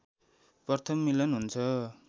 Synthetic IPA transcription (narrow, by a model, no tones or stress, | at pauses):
prʌrt̪ʰʌmmːilʌnɦunt͡sʰʌ